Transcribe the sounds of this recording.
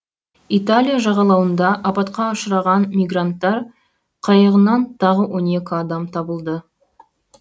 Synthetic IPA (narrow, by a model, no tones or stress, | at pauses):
it̪alʲijaʒɑʁɑlˠɑwənd̪ɑʔɑpɑt̪qɑːʃəɾɑʁɑnmʲijɡrant̪ːɑɾ | qʰɑjəʁənɑnt̪ʰɑʁəwo̞ne̞kʲɪɑd̪ɑmt̪ʰɑbəlˠd̪ə